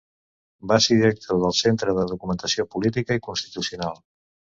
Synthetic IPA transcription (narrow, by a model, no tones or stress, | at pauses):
baseɾðiɾək̚t̪ʰoðəlˠsent̪ɾəðəðukumənt̪əsiopulit̪̬ikəikunst̪i̥t̪usiunalˠ